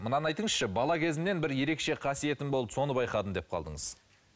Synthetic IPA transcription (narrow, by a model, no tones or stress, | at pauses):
mənɑnɑjt̪əɴəzʃəbɑlˠɑkʲʰe̞zɪnne̞nbɪɾje̞ɾe̞kʃe̞qʰɑsije̞t̪ɪmbolˠəpso̞nəbɑjqɑd̪ənd̪e̞p̚qʰɑ̰lˠd̪ə̰ɴəz̥